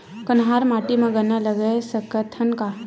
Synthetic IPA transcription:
kənɦaɾmaʈimẽɡənələɡəsəkət̪ʰɐnka

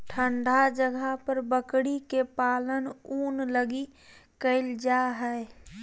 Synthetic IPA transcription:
ʈʰəɳɖʱad͡ʒəɡʱəɦpəɾbəkɽikepaːlənuːnləɡikəɪld͡ʒaɦɛe

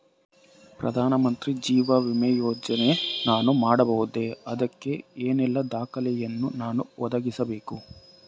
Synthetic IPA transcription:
pɾɐ̰d̪ʱaːnɐmɐnt̪ɾid͡ʒiːʋɐʋimɛjoːd͡ʒɐne̞naːnumaːɽɐbɐɦud̪e̞ɐd̪ɐkːe̞eːnɛlːɐd̪aːkɐlɛjɐnːunaːnuʔɔd̪ɐɡisɐbe̞ːku

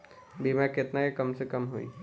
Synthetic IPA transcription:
bimakɪt̪nakekəmsekəmɦoḭ

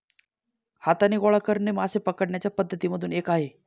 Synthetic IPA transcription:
hat̪aniːɡoɭakəɾɳemasepəkəɽɳjat͡ɕjapəd̪ʱːət̪iːməd̪ʱuːnekaɦe

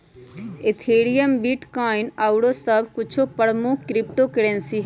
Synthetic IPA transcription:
et̪ʰeːɽijəmbiːʈkaːinaːuɽoːsəbkʊt͡ʃʰoːpəɽmõːkɾɪp̚ʈoːkəɽɛ̃nsiː

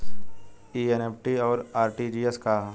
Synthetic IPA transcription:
iːeneːpʰʈiɔːɾaːɾʈid͡ʒieska

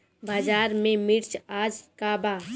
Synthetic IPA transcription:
baːd͡ʒaːɾmẽmɪɾt͡ʃaːd͡ʒkabaː

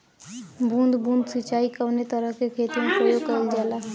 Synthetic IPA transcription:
bũnd̪bũːnd̪sit͡ʃaːikəwnet̪əɾəɦkekʰeːt̪imẽpɾəjoɡkəild͡ʒaːlaː

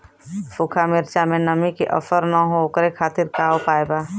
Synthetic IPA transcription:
fukʰamɪɾt͡ʃamẽnəmikeʔə̰fəɾnəɦokəɾekʰaːt̪ɪɾkaːwpaːeba

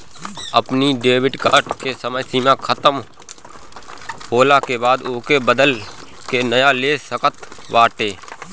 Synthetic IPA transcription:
əpniɖeːwɪɖkaːɾʈkesəməjsiːmãkʰət̪əm | ɦoːlakebaːd̪ʊːkebəd̪əl | kenəjaleːsəkət̪ʋaːʈeː

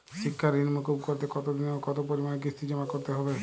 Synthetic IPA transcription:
sikʰːaɾinmokobkɔɾt̪ekɔt̪od̪inokɔt̪opɔɾimanek̬ɾist̪id͡ʒɔmakɔɾt̪eɦɔbe

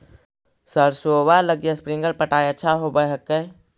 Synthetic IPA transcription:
səɾsoːwaləɡjaspɾɪ̃ŋɡəlpəʈaːjəːt͡ʃʰaɦobəɦəkːə

